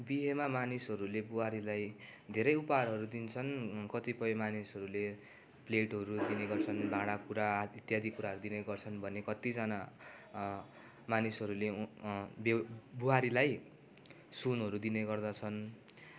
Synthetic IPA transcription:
biɦemamanisɦʌɾulebuɦaɾilajd̪ʱeɾʌjupaɽʌɾud̪int͡sʰʌnkʌt̪ipʌjmanisɦʌɾule | pleʈɦʌɾud̪ineɡʌrt͡sʰʌnbʱãɽ̃akuɾait̪jad̪ikuɾaɦʌɾud̪inʌɡʌrt͡sʰʌnbʱʌnekʌt̪id͡zana | manisʌɾule | bbuɦaɾilaj | sunɦʌɾud̪ineɡʌrd̪at͡sʰʌn

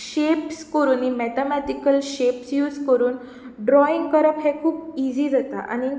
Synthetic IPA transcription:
ɕepskəɾuːnːimɛt̪amɛt̪ikəlɕepsjuːd͡zkəɾuːn | ɖɾɔiŋɡkəɾəpɦẽkʰuːpid͡ʑiːd͡zat̪a̰ʔa̰ni

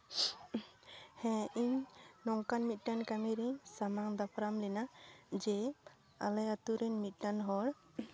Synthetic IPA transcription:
hɛ̃iɲnɔŋkanmit̪̚ˀʈankamiɾiɲsamaŋd̪apʰɾamlɛnad͡ʒɛ | a̰lɛat̪uɾɛɲmit̪̚ˀʈanɦɔɽ

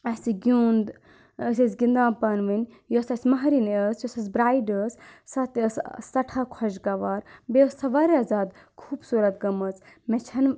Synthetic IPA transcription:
ɐsiɡʲuːnd̪ | əsʲɐsʲɡind̪ãːpɐnʋɨnʲ | josɐsʲmɐɦɾinəsjosɐs̬bɾaːiɖəssɐt̪əsst̪ɐʈʰaːkʰɔʃɡɐʋaːɾbeəssɐʋaːɾeaːzaːd̪ | kʰuːbsuɾɐt̪ɡɐmɐt͡smɛt͡ʃʰɐn

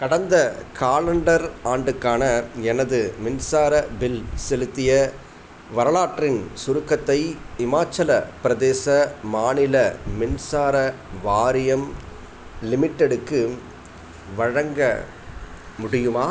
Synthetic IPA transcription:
kɐɽɐnd̪ɐkʰaːlɐɳɖɐɾaːɳɖɯkːaːnɐɛnɐðɯmɪnsaːɾɐbɪlsɛlɯt̪ːɪjɐ | ʋɐɾɐlaːʈrɪnsʊɾɯkːɐt̪ːɐɪɪmaːt͡ʃːɐlɐpɪɾɐðeːsɐmaːnɪlɐmɪnsaːɾɐʋaːɾɪjɐm | lɪmɪʈːɛɽɯkːɯ | ʋɐɻɐŋɡɐ̰ | mʊɽɪjɯmaː

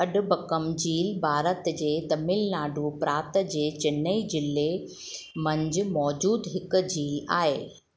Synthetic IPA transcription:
ɐɖbɐkəmd͡ʑiːlbʱaːɾət̪d͡ʑeːt̪ɐmɪlnaːɖʱupɾaːt̪d͡ʑeːt͡ɕɪnːəid͡ʑɪlːe | mɐ̃ɲd͡ʑʊmɔːd͡ʑuːd̪ɦɪkd͡ʑiːla̰ːɦeː

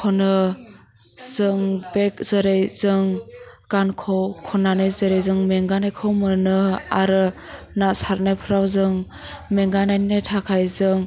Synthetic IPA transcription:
kʰɔnɯ | z̥ɯŋbek̚z̥ɯɾejzɯŋɡ̥ankʰɔwkʰɔnanɯjzɯɾejzɯŋmeŋɡanajkʰɯwmɯnɯaɾɯ | nasaɾnajpʰɯɾawzɯŋ | meŋɡanajnetʰakʰajzɯŋ

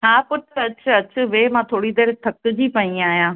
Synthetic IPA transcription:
ɦaːpʊʈʰɐt͡ɕʰɐt͡ɕʰʋeːmãːt̪ʰoːɽid̪eːɾt̪ʰɐkd͡ʑiːpɐĩaːɦjãː

